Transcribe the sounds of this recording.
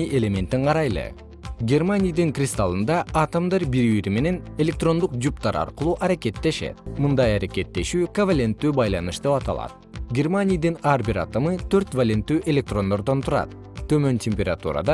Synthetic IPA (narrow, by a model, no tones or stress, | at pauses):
iʔe̞lʲe̞mʲe̞nt̪iɴqʰɑɾɑjlˠɯ̰ | ɡʲe̞rmanʲijd̪ɯŋkrʲɪst̪alˠɯnd̪ɑːt̪omd̪ɑɾbiɾβiɾime̞ne̞ne̞lʲe̞k̚t̪ro̞nd̪uqd͡ʒupt̪ɑɾɑ̰ɾqɯlˠuːʔɑɾake̞t̪ːe̞ʃe̞̰t̪̚mɯnd̪ɑjɑɾeke̞t̪ːe̞ʃyːkɐvalʲe̞nt̪ːyːbɑjlˠɑnɯʃd̪e̞pɑt̪ɑ̰lˠɑ̰t̪̚ | ɡʲe̞rmanʲijd̪ɯnɑɾbiɾɑ̰t̪omɯt̪ʰøɾt̪valʲe̞nt̪ːyːʔe̞lʲe̞k̚t̪ro̞nd̪o̞ɾd̪o̞nt̪ʰuɾɑ̰t̪ | t̪ːø̞mø̞ntʲemʲpʲeɾat̪ṵɾa̰d̪ɑ